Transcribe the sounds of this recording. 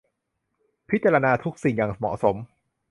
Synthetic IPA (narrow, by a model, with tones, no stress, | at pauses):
pʰi˦˥t̪̚t͡ɕa˧ɾa˧naː˧t̪ʰu˦˥k̚si˨˩ŋja˨˩ŋsa˧mɔ̰˨˩so˩˦m